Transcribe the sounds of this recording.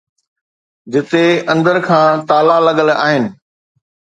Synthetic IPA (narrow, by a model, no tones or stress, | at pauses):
d͡ʑɪt̪eɐ̃nd̪əɾkʰãːt̪aːlalɐɠəla̰ːɦɪnɪ̆